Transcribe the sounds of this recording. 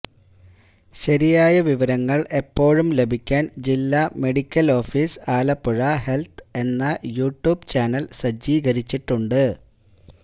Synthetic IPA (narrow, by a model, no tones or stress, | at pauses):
ɕɐɾijaːjɐʋiʋɐɾɐŋːɐɭe̞pːo̞ːɻumlebʱikʲːaːnd͡ʑilːɐme̞ɽikʲːɐlo̞ːfiːsaːlɐpːuɻɐhe̞lt̪ʰe̞nːɐjuːʈjuːbt͡ɕaːnɐlsɐd͡ʑiːɡɐɾit͡ɕːiʈːuɳɖɨ